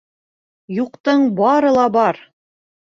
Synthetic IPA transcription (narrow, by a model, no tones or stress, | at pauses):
juqt̪ɤɴbɑɾɤ̆lˠɑbɑɾ